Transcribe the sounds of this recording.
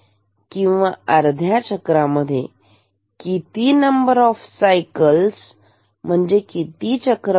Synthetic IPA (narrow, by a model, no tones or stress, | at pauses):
kĩw̃ʋaəɾd̪ʱjat͡ɕəkɾaməd̪ʱːje | kit̪inəmbəɾɔfsajkəls | m̤əɳd͡ʑekit̪it͡ɕəkɾ